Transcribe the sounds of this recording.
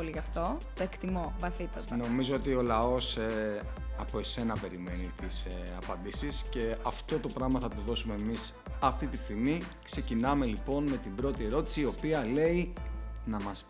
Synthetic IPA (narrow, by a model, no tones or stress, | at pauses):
oliʝɐft̪o̞t̪oekt̪imovɐθit̪ot̪ɐno̞mizo̞ot̪io̞lɐo̞se | ɐpo̞e̞se̞nɐpe̞ɾime̞nit̪isɐ̰pɐnd̪isisce̞ɐft̪o̞t̪o̞pɾɐɣmɐθɐt̪oðo̞sume̞ːmis | ɐft̪it̪ist̪iɣmikse̞cinɐme̞lipo̞nme̞t̪imbɾo̞t̪ie̞ɾo̞t̪i̥siːo̞piɐle̞inɐmɐs